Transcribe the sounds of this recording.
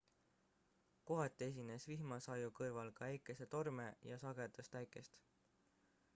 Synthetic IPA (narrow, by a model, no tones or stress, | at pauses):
ko̞ɦɑt̪ːˑe̞s̬ʲine̞svihmɑsɑjukɯrvɑlkɑæjkːˑe̞se̞t̪o̞rmejɑsɑɡ̥ed̪̥est̪æjkˑe̞st̪